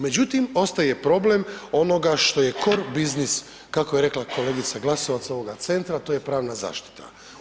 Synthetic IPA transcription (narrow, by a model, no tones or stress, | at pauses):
me̞d͡ʑut̪imo̞st̪aje̞pɾo̞ble̞mo̞no̞ɡaʃt̪o̞je̞ko̞ɾbiznis | kakojeɾe̞klˠako̞le̞ːɡit̪saɡlˠasoʋat̪sao̞ʋo̞ɡat̪se̞nt̪ɾat̪oje̞pɾaːʋnaza̰ːʃt̪i̥t̪ʰa̰